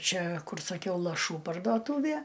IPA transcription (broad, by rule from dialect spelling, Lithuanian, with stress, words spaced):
ˈt͡ʃʲɛ ˈkʊr sɐˈkʲɛʊ lˠɐˈʃuː pɐrduɔˈtuːʋʲiɛ